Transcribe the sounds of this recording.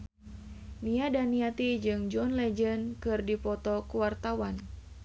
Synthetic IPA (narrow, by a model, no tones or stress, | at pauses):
niadaniat̪id͡ʒɨŋd͡ʒɔnlɛd͡ʒənkɨrdipɔt̪ɔkuwart̪awan